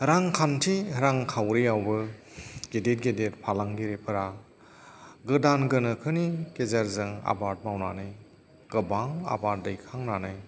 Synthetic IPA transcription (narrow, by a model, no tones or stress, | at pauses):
ɾaŋkʰantʰiɾaŋkʰawɾijawbɯ | ɡedet̚ɡedet̚pʰalaŋɡiɾepʰɯɾa | ɡɯdanɡɯnɯkʰɯnikezaɾzɯŋa̰baɾt̚mawna̰nɯj | ɡ̥ɯbaŋa̰bat̚dɯjkʰaŋnanɯj